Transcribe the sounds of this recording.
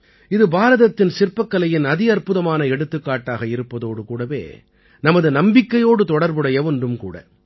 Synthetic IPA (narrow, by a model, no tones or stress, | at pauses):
ɪðɯbaːɾɐðɐt̪ːɪnsɪɾpɐkːɐlɐjɪnɐðɪɐɾpɯðɐmaːnɐɛɽɯt̪ːɯkːaːʈːaːɣɐɪɾɯpːɐðoːɽɯkuːɽɐʋḛː | nɐmɐðɯnɐmbɪkːɐjoːɽɯt̪ɔɽɐɾbɯɽɐjɐʋɔnɖɯmkṵːɽɐ̰